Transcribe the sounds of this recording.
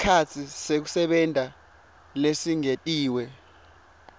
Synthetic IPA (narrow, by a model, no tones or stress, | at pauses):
skʰat͡sʰisek̬usɛɓɛndʱa | lesiŋetʼiːwɛ